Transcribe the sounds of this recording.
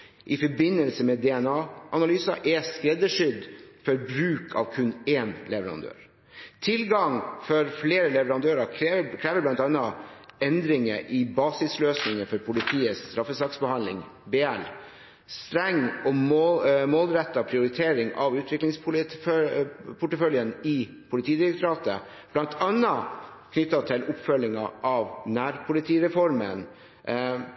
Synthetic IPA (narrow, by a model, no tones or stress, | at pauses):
ʔɪfɔbɪnːəlsəmɛd̪ɛɛnɑːʔɑnɑlyːsɑʔɛskɾɛd̪əʂʏd̪fɔɾbɾʉːkʰɑ̰ʋkʰʉneːnlɛʋəɾɑ̰nd̪ø̰ːɾ | t̪ʰɪlɡɑŋfɔɾfleːɾəlɛʋəɾɑnd̪øːɾɑkʰɾeːʋəblɑnt̪ɑnːɑɛnd̪ɾɪŋəʔɪbɑːsɪsløːsnɪŋəfɔɾpʰʊlɪt̪ʰiːəst̪ɾɑfːəsɑksbəhɑnlɪ̰ŋ | beːɛl | st̪ɾɛŋːɔmmoːlɾɛt̪ːɑpʰɾɪʊɾɪt̪ʰeːɾɪŋʔɑʋʉːt̪ʰʋɪklɪŋspʰʊ | pʰʊʈːəfœljənɪ | pʰʊlɪt̪ʰiːd̪ɪɾəkt̪ʰʊɾɑːt̪ə̰ | b̥lɑnt̪ʰɑnːɑkʰnʏt̪ːɑt̪ʰɪlʊpfœlːɪŋɑʔɑʋnæːɾpʰʊlɪt̪ʰiːɾɛfɔɾmən